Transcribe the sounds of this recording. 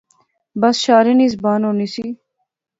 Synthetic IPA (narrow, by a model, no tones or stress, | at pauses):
bɐsʃaːɾenizbaːnoːnisiː